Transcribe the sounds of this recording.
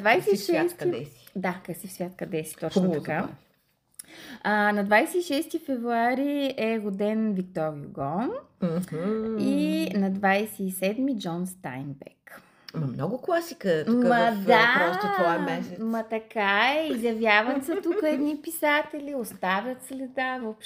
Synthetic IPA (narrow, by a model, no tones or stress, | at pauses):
d̪vajsɛiʃɛst̪iɛi̥d̪akɐsifsvʲjat̪kɐd̪ɛsi̥t̪ɔt͡ʃnot̪ka | ənɐd̪vajsɛiʃɛst̪ifɛvɾuaɾiɛɣod̪ɛnvikt̪ɔɾiṵɡɔn | inɐd̪vajsɛːsɛd̪mid͡ʒɔnst̪a̰jnbɛ̰k | mɐmnɔɡʊklˠasi̥kətmaɐd̪aɾɔst̪oamɛsmɐt̪ɐkaɛizjɐvjavət̪sət̪ukəɛd̪nipisat̪ɛlʲiost̪avʲjət̪slɛd̪avopʃ